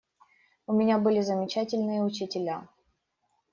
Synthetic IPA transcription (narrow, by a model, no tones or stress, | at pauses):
ʊmʲɪnʲabɨlʲɪzəmʲɪt͡ɕætʲɪlʲnɨjəʊt͡ɕɪtʲɪlʲa